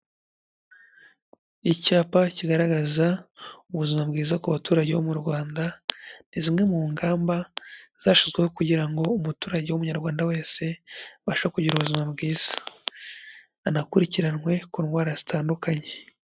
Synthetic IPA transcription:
icaːpaciɡaɾaɡazauβuzimabɡiːzakaβatuːɾaɟeβomuɾɡwaːndanizimŋe̞muŋɡaːmbaz̥aːʃizɡweho̞kuɟiɾaŋɡo̞umutuːɾaɟewumuɲaɾɡwaːndawe̞ːse̞βaʃakuɟiɾuβuzimabɡiːz̥ḁ | nakuɾiciɾanŋwe̞kuːnwaːɾazitaːndukaɲe̞

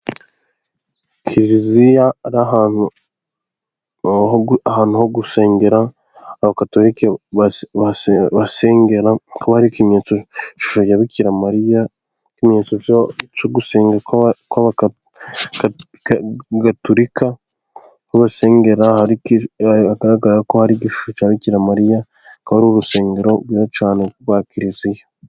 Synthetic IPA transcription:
kʰiɾɾizijaːɾaɦanu | oahaːn̥uhoɡuse̞ːŋɡe̞ɾaː | βakatoɾikeaβasβaseːŋɡe̞ɾakoβahaɾikimɲeːt͡sot͡ʃu̥ʃoɟaβikiɾamaɾija | kimɲeːt͡sot͡ʃoɡuse̞ːŋɡekoβa | ɡatoɾika | koβase̞ːŋɡe̞ɾahaikaɡaɾaɡaɾakohaɾiːɟiʃu̥ʃot͡ʃaːβiciɾamaɾija | kaβaɾuɾuse̞ːŋɡe̞ɾo̞ɡwiot͡ʃaːnewaːkiɾizije

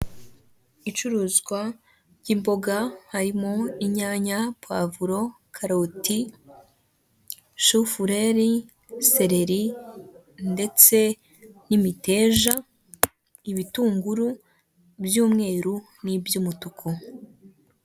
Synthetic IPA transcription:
it͡ʃuɾuːzɡwa | ɟiːmbo̞ɡahaɾimoiɲaːɲapwa̰vuɾo̞ | kʰaɾoti | ʃufuɾeɾi | se̞ɾe̞ɾi | nde̞t͡se̞ | nimite̞ːʒa | iβituːŋɡuɾu | bjuːmŋe̞ːɾu | nibjumutukʰo

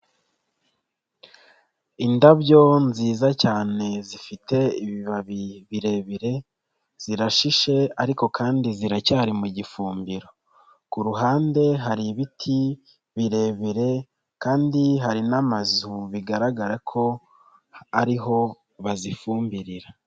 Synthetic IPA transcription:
indaβjo̞nziːzacaːne̞zifite̞iβiβaβiβiɾe̞βiɾe̞ | z̥iɾaʃiʃe̞aɾiko̞kʰaːndiziɾacaːɾimuɟifuːmbiɾo̞ | kuɾuɦaːnde̞ɦaɾiβitʰi | βiɾe̞βiɾe̞ | kaːndiɦaɾinamazuβiɡaɾaɡaɾakʰo̞ | aɾiɦo̞ | βazifuːmbiɾiɾa

